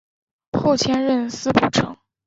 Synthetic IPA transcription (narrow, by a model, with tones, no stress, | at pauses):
xo˥˩ʊt͡ɕʰjɛ˥nɻə˥˩nsɹ̩˥pu˥˩ʈ͡ʂʰɤ̰˧˥˦ŋ